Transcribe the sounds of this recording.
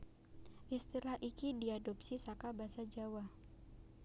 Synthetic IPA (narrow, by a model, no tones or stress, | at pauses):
ʔist̪ilahʔikidiadɔp̚sisakabasad͡ʒawa